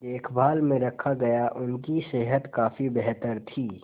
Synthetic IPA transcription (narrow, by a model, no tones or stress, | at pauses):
eːkʰbʱaːlmẽɾəkʰaɡəjaʔʊnkiseːɦət̪kaːpʰibɛɦt̪əɾt̪ʰiː